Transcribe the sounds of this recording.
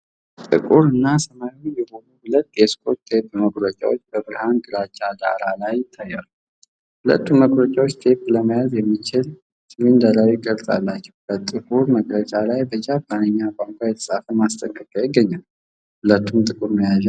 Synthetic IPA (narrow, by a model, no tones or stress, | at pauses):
t̪ʼɨ̰kʼuɾɨnːasəmajojɛho̞nuhʊlət̪ːeskʰo̞t̪ʰːebməkʼlət͡ʃʼa̰wot͡ʃːbəbɾɨhanɡɨɾat͡ʃʼːad̪a̰ɾalajːɪt̪ʰːajːalu | hʊlə̰t̪ːuməɡʼɾət͡ʃʼawot͡ʃːt̪ʰe̞pləməjazjɛmːit͡ʃɪl | sɨmɨnd̪əɾawiɡʼəɾt̪ʼa̰lːat͡ʃːɛwb̥ət̪ʼɨkʼuɾməkʼlət͡ʃʼalajbəd͡ʒabanəɲːakʼaŋkʷʰajɛt̪ʰə̥sʼafəmast̪ʼəkʼːəkʼəjɪɡːəɲːal | hʊlət̪ʰːumt̪ʼɨkʼuɾməjaz